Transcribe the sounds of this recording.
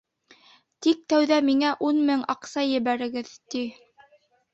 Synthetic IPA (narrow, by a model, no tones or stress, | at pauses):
t̪ik̚t̪æwðæmiŋæʔunmɘŋɑqsɑjɘ̆βæɾɘ̆ɡɘðt̪i